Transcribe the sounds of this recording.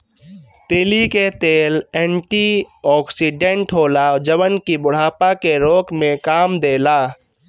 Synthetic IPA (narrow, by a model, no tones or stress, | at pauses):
t̪eːliket̪eːlɛːɳʈiɔːksiɖẽɳʈɦoːlad͡ʒəʋənkibʊɽ̤aːpakeɾoːkmẽkaːmd̪eːlaː